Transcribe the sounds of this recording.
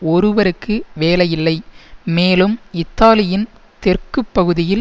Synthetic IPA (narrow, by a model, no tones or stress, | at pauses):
ɔɾɯʋɐɾɯkːɯʋeːlɐjɪlːɐɪmeːlɯmɪt̪ːaːlɪjɪn | t̪ɛrkɯpːɐɣɯðɪjɪl